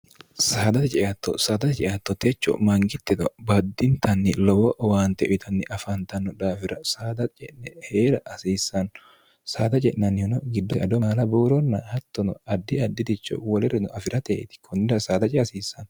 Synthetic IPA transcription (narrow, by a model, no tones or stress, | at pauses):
saːd̪ɐt̪ɛt͡ʃʼɛjɐt̪ːɔ̰saːd̪ɐt̪ɛt͡ʃʼɛʔat̪ːɔt̪ɛt͡ʃːɔ̰mɐŋɡɪt̪ːɪd̪ɔbɐd̪ːɪnt̪ʰɐnːɪlɔwɔʔɔwaːnt̪ɛʔɔt̪ʰɐnːɪʔɐfɐnt̪ɐnːɔd̪aːfɪɾɐsaːd̪ɐt͡ʃʼɛnɛheːɾɐʔɐsiːsːɐn | saːd̪ɐt͡ʃʼɛʔnɐnːɪɔnɔɡɪd̪ːɔʔɐd̪ɔmaːlɐbuːɾɔnːɐhɐt̪ːɔnɔ̰ɐd̪ːɪɐd̪ːɪd̪ɪt͡ʃːɔ̰wɔlɛɾɛnɔɐfɪɾɐt̪ḛːt̪ɪ̥kʰɔnːɪd̪ɐsaːd̪ɐt͡ʃʼɛɐsiːsːɐn